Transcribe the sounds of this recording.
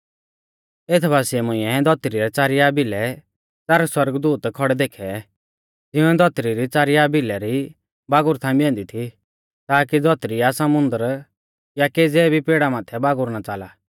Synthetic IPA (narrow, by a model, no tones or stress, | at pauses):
et̪ʰbʱaːsɪɛmʊ̃ɪ̃ɛd̪ɔt̪ɾiɾɛt͡saːɾɪjabilɛ | t͡sɐɾswɐɾəɡd̪uːt̪kʰɔɽɛd̪eːkʰɛ | d͡zɪũɛd̪ɔt̪ɾiɾit͡saːɾɪjabɪlɛɾi | baːɡʊɾt̪ʰãːĩbɛ̃ːnd̪it̪ʰi | t̪aːk̬id͡zɔt̪ɾiasɐmʊ̃nd̪əɾ | jakeːd͡zɛːbʱipeːɽamaːt̪ʰɛbaːɡʊɾnat͡saːla